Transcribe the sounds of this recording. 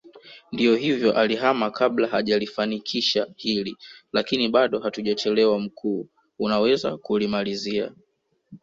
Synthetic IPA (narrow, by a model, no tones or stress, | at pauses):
ndijɔɦivjɔʔaliɦamakʰablahaʄalifanikʰiʃahililakiniɓaɗɔhatuʄat͡ʃɛlɛwam̩kʰuː | unawɛza̰kulimalizia̰